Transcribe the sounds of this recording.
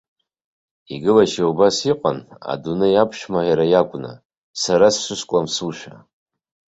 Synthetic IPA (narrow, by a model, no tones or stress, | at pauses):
iɡɨlaʃaubasiqʼana̰dunɨjapʰʃᶣmajaɾajakʷʼna̰ | saɾasʃʷɨʃʷkʷʼlamsuʃᶣa